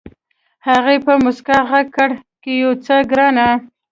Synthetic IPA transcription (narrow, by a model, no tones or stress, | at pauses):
haɣepəmʊskaɣaɡ̚kaɽkejot͡səɡɾɑna